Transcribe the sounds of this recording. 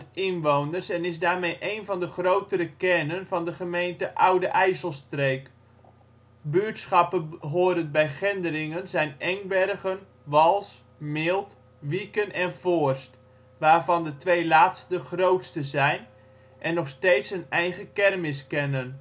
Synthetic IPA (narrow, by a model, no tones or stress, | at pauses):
ɪnʋownərsɛnɪzdaːrmejʔejnvɑndəχrowtəɾəkɛnənvɑndəχəmejntəʔawdəʔɛjsəlˠstreːk | byətsχɑpəɦoːdəntbɛjχɪndərɪŋənzɛjnɛŋbɛrɣən | ʋɑlˠs | mɪlˠt | ʋikənɛnfoərst | ʋaːrvɑndətʋejlaːtstəχrowtstəzɛjn | ʔɛnːɔχsteːtsənɛjχəkɛrmɪskɛnən